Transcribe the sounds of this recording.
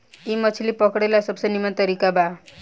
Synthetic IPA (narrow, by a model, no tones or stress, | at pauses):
imət͡ʃʰilipɔkɽelasəbsənimat̪əɾikaba